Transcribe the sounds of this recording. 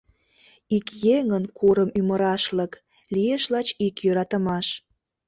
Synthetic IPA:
ikjeŋənkʰuɾəmyməɾɑʃlək | lijeʃlɑt͡ɕikjøɾɑt̪əmɑʃ

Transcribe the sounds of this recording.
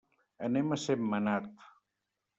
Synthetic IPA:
ɐnemɐsemːɐnat̪

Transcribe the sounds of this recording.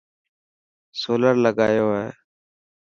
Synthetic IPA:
soːləɾləɡaːjoːɦḛː

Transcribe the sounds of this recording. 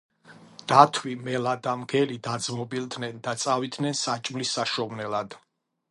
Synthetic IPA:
d̪̥at̪ʰwimɛlad̪amɡɛlid̪ad̪zmɔbilˠd̪nɛnd̪at̪sʼavid̪nɛnsat͡ʃʼmlisːaʃɔvnɛlad̪̥

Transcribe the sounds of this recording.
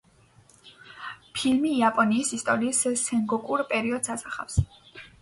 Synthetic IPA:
pʰilmiːapʼɔniːsist̪ʼɔɾiːssɛŋɡɔkʼuɾpʼɛɾiɔd̪sasaχa̰fs

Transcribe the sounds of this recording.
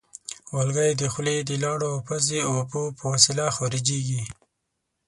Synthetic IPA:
walɡajd̪əxled̪əlɑɽoapazeawpopəwasilaxɑɾid͡ʒeɡi

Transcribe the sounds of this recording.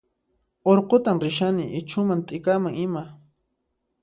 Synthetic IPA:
oɾqot̪amɾɪʃ̬anɪʔɪt͡ʃʊmant̪ʼɪkamaŋɪma

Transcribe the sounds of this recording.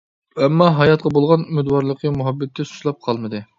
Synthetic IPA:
ɛmːɑɦɑjɑt̪̚qʰɑbolˠʁɑnymɪd̪wɑɾlˠəqʰəmuɦɑbːɛt̪ʰːɪsu̥ʃlˠɑp̚qʰɑlˠmɨd̪ɨ

